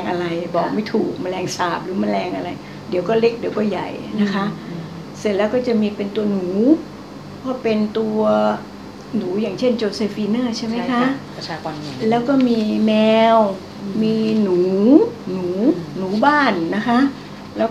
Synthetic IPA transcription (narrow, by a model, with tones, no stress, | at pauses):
ŋʔa˧ɾa˧jbɔː˨˩k̚ma˥˩jt̪ʰuː˨˩k̚ma˧nlɛː˧ŋsaː˨˩p̚lɯː˩˦ma˧lɛː˧ŋʔa˧ɾa˧j | di˨˦wkɔː˥˩le˦˥k̚di˨˦wkɔː˥˩ja̰˨˩jna˦˥kʰa˦˥ʔ | se˨˧˩t̪̚lɛː˦˥wkɔː˥˩t͡ɕa˨˩miː˧pe˧nt̪u˧ɐnuː˩˦ | pʰɔː˦˥˩pe˧nt̪u˧ɐ | nuː˩˦jaː˨˩ŋt͡ɕʰe˥˩nt͡ɕoː˧se˧fiː˧nɤː˥˩t͡ɕʰa˥˩jma˦˥jkʰa˦˥ʔʰaː˧kɔ˧n˧lɛː˦˥wkɔː˥˩miː˧mɛː˧w | miː˧nuː˩˦nuː˨˩˦nuː˨˩˦baː˥˩nːa˦˥kʰa˦˥ʔ | lɛː˦˥